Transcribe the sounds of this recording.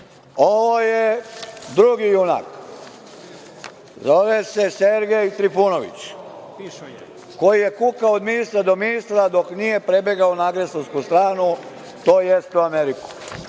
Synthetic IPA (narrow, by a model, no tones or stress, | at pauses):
o̞ʋojed̪ɾuɡijuna̰k | zo̞ʋeseseɾɡe̞jt̪ɾipunoʋḭt͡ɕ | ko̞jijekukaod̪minist̪ɾad̪o̞minist̪ɾad̪o̞knije̞pɾe̞beɡaonaɡɾesonskust̪ɾaːnu | t̪oːjest̪uameɾiku̥